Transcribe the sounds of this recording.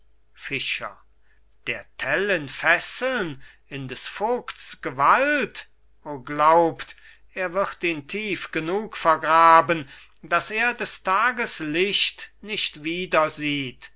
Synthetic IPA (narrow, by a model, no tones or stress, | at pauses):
fɪʃɐ̰ | d̥eːɐtʰɛlɪnfɛsl̩n | ɪndɛsfoːktsɡ̥əvalt | oːɡlaʊpt | ʔeːɐvɪʁtiːntʰiːfɡ̥ənuːkfɛɐɡʁaːbən | d̥aseːɐdɛstʰaːɡəslɪʃtnɪʃtv̥iːdɐziːt